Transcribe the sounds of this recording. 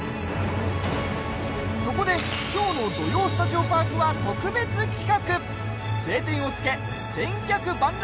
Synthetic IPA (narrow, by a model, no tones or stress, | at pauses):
so̞ko̞d̪e̞kʲo̞ːno̞d̪o̞jo̞ːsɨ̥t̪aʑiobãŋkɯβat̪o̞kɯ̟be̞t͡sɨkʲi̥kakɯ̟ | se̞ːt̪ẽ̞ɰ̃o̞t͡sɨ̥ke̞ | sẽ̞ŋkʲakɯ̟bãŋ